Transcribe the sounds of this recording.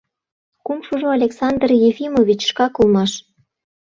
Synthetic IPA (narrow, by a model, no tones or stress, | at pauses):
kumʃoʒoalʲeksɑnd̪rjefʲimovʲit͡ɕʃkɑkolmɑʃ